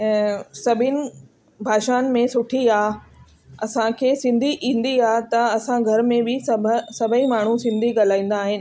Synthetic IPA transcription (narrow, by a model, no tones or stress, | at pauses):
sɐbʱɪnɪ̆ | bʱaːʃaːnmẽsʊʈʰiaː | ɐsãkʰeːsɪ̃nd̪ʱiʔĩːn̆d̪iaːt̪ɐɐsãɡʱɐɾmẽbɪsɐbʱsɐbʱəĩmaːɳ̤ũsɪ̃nd̪ʱiɠɐl̤aːĩːn̆d̪aːɦɪnɪ̆